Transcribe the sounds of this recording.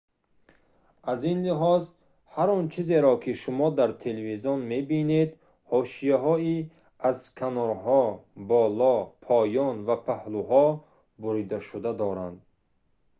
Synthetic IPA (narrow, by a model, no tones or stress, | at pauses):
azinliɦɔz | haɾɔnt͡ʃʰizeɾɔkʰiʃumɔd̪aɾt̪ʰeleviziɔnme̞bined̪ | hɔʃijaɦɔi | az̥kʰanɔɾɦɔbɔlɔpʰɔjɔnvapʰahluɦɔ | buɾid̪aʃud̪ad̪ɔɾa̰nd̪